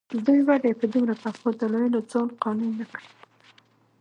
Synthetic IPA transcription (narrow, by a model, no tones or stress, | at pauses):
d̪ujwad̪jepəd̪umɾat̪afʊtd̪əloɾəlod͡zɑnqɑnunːakɽi